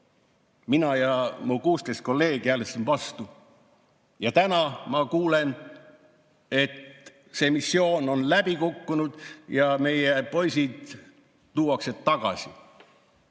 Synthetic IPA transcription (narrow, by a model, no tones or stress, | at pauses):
minɑjɑmukuːst̪ejst̪̚ko̞lːe̞ːɡ̥iælesenvɑst̪u | jɑt̪ænɑmɑkuːle̞n | e̞t̪ | se̞misːio̞ːno̞nlæb̥ikukːunud̪̥jɑme̞jepo̞jsid̪̥ː | uːɑkse̞d̪t̪ːɑɡ̥ɑ̰sʲi